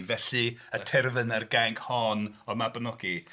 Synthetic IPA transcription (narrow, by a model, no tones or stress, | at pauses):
vɛɬiətʰɛrvənərɡɛŋkʰhɔnɔmabənɔɡi